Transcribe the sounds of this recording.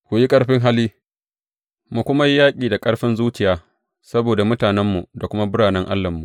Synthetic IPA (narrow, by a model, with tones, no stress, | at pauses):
kʷʊ˨ji˦kʼɐ˦ɽɸɪ˦ŋɦa˦liː˦ | mu˨kʷʊ˦ma˦ji˦jaː˦kʲʼiː˨da˨kʼɐ˦ɽɸɪ˦nzuː˦t͡ʃɪ˨jaː˦ | sɐ˦boː˨da˨mʊ˦taː˨nɛ˦mːṵ˨da˨kʷʊ˦ma˦bʊ˦ɽaː˨nɛ˦ŋʔa̰˦lːɐ˨mːṵ˨ʔ